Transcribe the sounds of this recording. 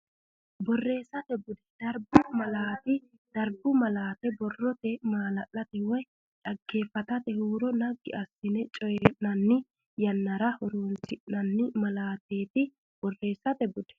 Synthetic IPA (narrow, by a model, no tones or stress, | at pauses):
bɔrːe̞ːsɐt̪ɛbʊd̪ɛd̪̥ɐɾbʊmɐlaːt̪ɪ | d̪̥ɐɾbʊmɐlaːt̪ɛbɔrːɔt̪ɛmaːlɐʔːɐt̪ɛwɔj | ᶑɐɡːe̞ːfɐt̪ɐt̪ɛhuːɾɔnɐɡːɪʔɐsːɪnɛt͡ʃʼɔjɛʔnɐnːɪ | jɐnːɐɾɐhɔɾoɔntɪʔnɐnːɪmɐlaːt̪e̞ːt̪ɪ | b̥ɔrːe̞ːsɐt̪ɛbʊd̪̥ɛ̥